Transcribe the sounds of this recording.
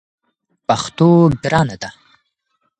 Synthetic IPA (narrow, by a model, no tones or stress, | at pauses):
paxt̪oɡɾɑːnad̪a